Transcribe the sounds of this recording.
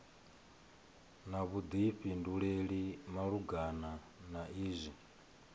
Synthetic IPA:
naβud̪iɸinduɺeɺimaɺuɡana | naiːzʷi

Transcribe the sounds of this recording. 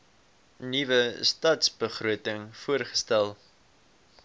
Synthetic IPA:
nivəstɐtsbəχruətəŋfuərχə̥stælˠ

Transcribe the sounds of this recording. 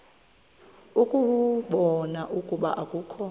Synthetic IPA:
ukʼuɓɔnaʔukʼuɓa̰ʔakʼuːkʰɔ

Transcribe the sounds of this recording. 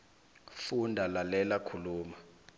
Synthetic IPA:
fundʱalalɛlakʰuluːma

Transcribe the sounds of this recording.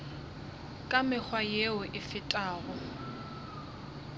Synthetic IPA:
kʼamɪk͡xwajeʊʔɪfɪtʼaːɣɔ

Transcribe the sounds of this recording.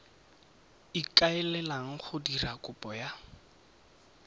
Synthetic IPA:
ikʼaɛlɛlaŋ̩χʊdirakʼʊpʼɔja

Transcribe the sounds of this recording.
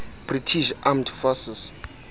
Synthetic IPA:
b̥ritʰiʃamdfɔsɛs

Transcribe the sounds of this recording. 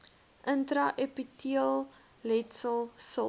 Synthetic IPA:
ʔəntɾɐʔepitʰiəlˠ | lɛtsəlˠsə

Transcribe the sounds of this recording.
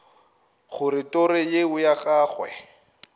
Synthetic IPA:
χʊrɪtʼɔɾɪjeʊjaχaːχwɛ̰

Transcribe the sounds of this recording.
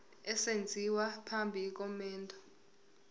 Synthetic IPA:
ɛsend͡zʱiwapʰambʱiːk̬ʼɔmɛːndʱʼɔ

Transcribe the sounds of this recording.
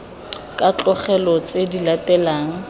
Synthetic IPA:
kʼat͡ɬʼɔχɛlɔt͡sʼedilatɛlaːŋ̩

